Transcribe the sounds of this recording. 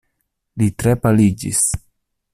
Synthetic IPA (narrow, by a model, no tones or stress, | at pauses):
litɾe̞palid͡ʒḭs